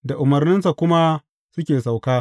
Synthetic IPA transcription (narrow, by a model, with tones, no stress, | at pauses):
da˨ʔʊ˨mɐ˨rnɪ˦nsa˨kʷʊ˦ma˦ | sʊ˦kʲeː˨sa˨wkaː˦